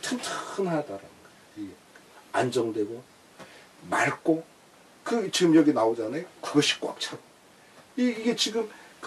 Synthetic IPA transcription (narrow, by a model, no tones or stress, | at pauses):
tʰɯntʰɯxɯnɦadaɾanɯnɡʌ | iɡe | and͡ʑʌŋdwe̞ɡo | ma̰ɭk͈o | kɯt͡ɕiɡɯmjʌɡinaod͡ʑanajkuʌɕʰi̥k̚k͈oʌ̰p̚t͡ɕʰaɡo | iːɡe̞t͡ɕiɡɯmk